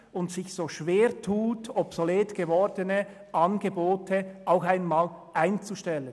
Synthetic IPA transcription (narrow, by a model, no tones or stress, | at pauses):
ʊntsɪçsoːʃveːʁtʰuːtʰɔpsoleːtɡ̥əvɔʁdənə | ʔɑnɡəboːtʰəʔaʊxaɪnmaːlʔaɪnt͡suʃtɛlən